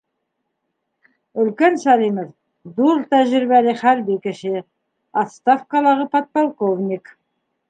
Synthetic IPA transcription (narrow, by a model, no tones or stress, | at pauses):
ʏlkʲensɑlʲiməf | d̪ulˠt̪æʒɪɾbæɾɪχæɾbekæʃe | ast̪afkɑlˠɑʁəpʰot̪̚polˠkovnʲik